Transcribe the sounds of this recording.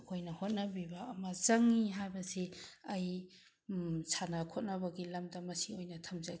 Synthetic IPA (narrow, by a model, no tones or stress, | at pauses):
kʰojnɐhot̚nɐbibɐːmɐzɐŋːiɦajbɐsiɐj | sʰanakʰot̚nɐbɐɡilɐmdɐmɐsiojnɐtʰɐmza